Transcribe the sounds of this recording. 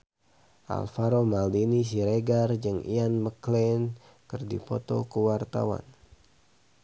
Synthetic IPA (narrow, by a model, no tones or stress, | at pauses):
ʔa̰lfaɾomaldinis̬iɾeɡard͡ʒɨŋʔḭanməklɛn | kɨrdḭpɔt̪ɔ̰kəwart̪a̰wa̰n